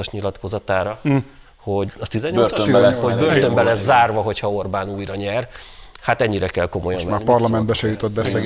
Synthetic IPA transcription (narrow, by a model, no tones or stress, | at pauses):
oʃɲilɒt̪ko̞zɒt̪aːɾɒ | ho̞ɟɒt̪izɛɲoølsihoɟbørt̪ø̞mbɛlɛzːaːrvɒɦo̞chɒo̞rbaːnuːjɾɒɲɛrhat̪ɛɲːiɾɛkɛlko̞mo̞jɒnvpɒrlɒmɛnbɛʃɛjut̪od̪̚bɛsɛɡ